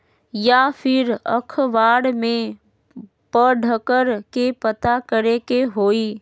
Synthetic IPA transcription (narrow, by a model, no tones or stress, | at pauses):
jafʰɪɾə̰kʰʋaːɽmẽ | pəɖʱəkəɾkepət̪akəɾekeɦoːiː